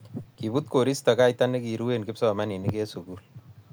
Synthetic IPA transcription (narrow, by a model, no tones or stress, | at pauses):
kibut̪̚koɾist̪ɐkaːjtanekiɾuwenkɪpsɔmaninikesukuːl